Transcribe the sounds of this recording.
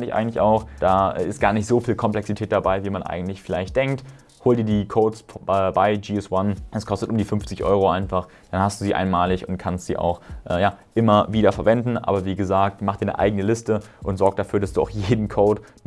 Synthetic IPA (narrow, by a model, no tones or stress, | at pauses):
ndɪçʔa̰ɪɡŋ̩tlɪça̰ʊxd̥aːɛ̰ɪst̚ɡ̥aːɐnɪçtz̥ofiːlkʰɔmplɛksitʰɛːt̚d̥abaɪviːmanʔa̰ɪɡŋ̩tlɪçfɪlaɪçtd̥ɛŋk̚t | hoːldiːɐdiːkʰoːsɛːbaɪd͡ʒiɛswanʔɛskʰɔstətʔʊmdiːfʏɱft͡sɪçʔɔ̰ʏʁoʔaɪnfaχ | d̥anhastd̥uːziːʔa̰ɪnmaːlɪçʊnt̚kʰanstz̥ḭːʔa̰ʊxʔɛːjaːʔɪmɐviːɾɐfɛɐvɛndn̩ʔa̰ːbɐviːɡəzaːk̚tmaχd̥iːɐnə̰ʔa̰ɪɡənəlɪstəʔʊntzɔɐk̚t̚d̥afyːɐɾasd̥uːaʊxjeːdn̩kʰoːt